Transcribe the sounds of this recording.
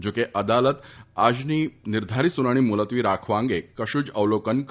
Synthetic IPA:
d͡ʑokeʔəd̪alət̪ad͡ʑniːniɾd̪ʱaɾiːsunaɽ̃iːmulət̪ʋiːɾakʰʋãŋɡekəɕuːd͡ʑəʋlokənk

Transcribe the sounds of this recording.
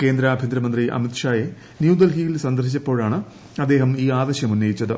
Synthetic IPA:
ke̞ːnd̪ɾɐːbʱind̪ɾɐmɐnd̪riʔɐ̰mit̪ʂaːje | njuːd̪ɐlɦijilsɐnd̪ɐrit͡ɕːɐpːo̞ːɻaːɳɨ | ɐd̪ːe̞ːɦɐmiːaːd̪ɐɕjɐmunːɐjit͡ɕːɐðɨ

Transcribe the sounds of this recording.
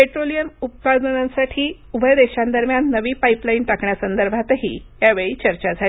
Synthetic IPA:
peʈɾolijəmup̚kad̪ənãnsaʈʰiːubʱəjd̪eɕãnd̪əɾmjanːəʋiːpaiplainʈakɳjasənd̪əɾbʱat̪ɦḭːjaʋeɭiːt͡ɕəɾt͡ɕad͡zʱali

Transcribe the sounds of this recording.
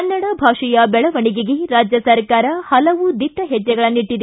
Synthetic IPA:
ɐnːɐɽɐbʱaːʂijɐbɛɭɐʋɐɳiɡiɡeɾaːd͡ʒjɐsɐɾkaːɾɐhɐlɐʋud̪iʈːɐɦɛd͡ʒːɛɡɐɭɐnːiʈːid̪

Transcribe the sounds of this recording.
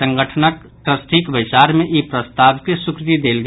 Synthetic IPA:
ə̃ŋɡəʈʰənək | ʈɾəsʈʰikbət͡ʃaːɾmẽʔipɾəst̪aːʋkesʊkɾɪt̪id̪eːlɡ

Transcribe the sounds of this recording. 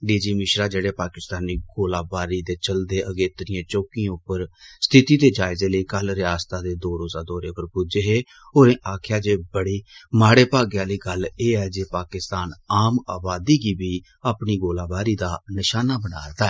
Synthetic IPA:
ɖiːd͡ʒiːmɪʃɾaːd͡ʒeːɽeːpaːkɪst̪aːniːɡoːlaːbaːɾiːd̪eːt͡ʃəld̪eːʔəɡeːt̪əɾɪjãːt͡ʃoːkĩʊpːəɾst̪ʰɪt̪iːd̪eːd͡ʒaːɪzeːləiːkəlɾɪjaːst̪aːd̪eːd̪oːɾoːzaːd̪ɔːɾeːpəɾpud͡ʒeːɦeː | oːɾẽːʔaːkʰjaːd͡ʒeːbəɽiːmaːɽeːpaːɡjaːliːɡəleːɛːd͡ʒeːpaːkɪst̪aːnaːmaːbaːd̪iːɡiːbiː | aːpniːɡoːlaːbaːɾiːd̪aːnɪʃaːnaːbənaːɾd̪aːɛː

